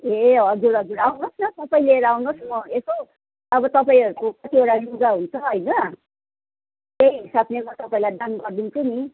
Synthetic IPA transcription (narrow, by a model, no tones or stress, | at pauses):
eʌd͡zuɾʌd͡zuɾawnosnʌt̪ʌpaĩleɾawnosmʌeso | ʌbʌt̪ʌpaĩɦʌɾukokʌt̪ioɽanuɡaɦunt͡sʰʌɦʌjnʌ | t̪eɦiɦisabnemʌt̪ʌpaĩlajd̪anɡʌrd̪unt͡sʰuni